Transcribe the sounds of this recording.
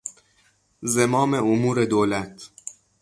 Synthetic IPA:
zemɒːmeomuːɾe̞d̪oːlæt̪ʰ

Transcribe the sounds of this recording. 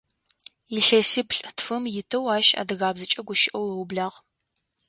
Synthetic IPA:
jɪɬɐsɪpʰɬʼtfɨmjɪtʰɐwaːʃa̰ːdɨɣaːbzɨt͡ʃʼɐɡʷʊʃɪʔɐwɐwbɮaːʁ

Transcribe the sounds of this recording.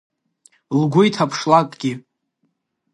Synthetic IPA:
lɡʷʊjtʰapʰʂlakʼɡʲɪ

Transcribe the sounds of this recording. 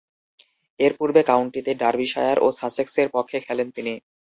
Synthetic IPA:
eɾpuɾbekawɳʈit̪eɖaɾbiʃajaɾʔosasekseɾpɔkʰːekʰɛlent̪ini

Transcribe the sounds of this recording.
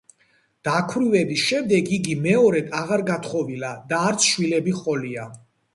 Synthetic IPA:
d̪̥akʰwɾivɛbisʃɛmd̪ɛɡiɡimɛɔɾɛd̪ʰaʁaɾɡat̪ʰχɔvilad̪aːɾt̪sʰʃwilɛbiχɔlia

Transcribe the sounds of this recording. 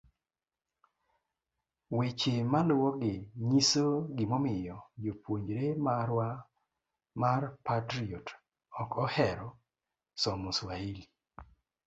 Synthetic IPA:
wet͡ʃemalʊwɔɡɪɲisoɡɪmɔmɪjɔd͡ʒopwoɲd͡ʒɾemaɾwa | marpatɾiɔt | ɔkɔhɛɾɔ | sɔmɔswaili

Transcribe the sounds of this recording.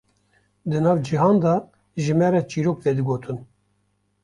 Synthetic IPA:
d̪ɨnɑːvd͡ʒiɦɑːnd̪ɑ | ʒɨmɛɾɛt͡ʃiːɾok̚vɛd̪ɨɡoːt̪ʰɨn

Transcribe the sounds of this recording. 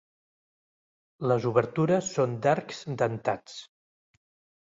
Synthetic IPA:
ləzuβəɾt̪uɾəsːond̪aɾkzd̪ənt̪at͡s

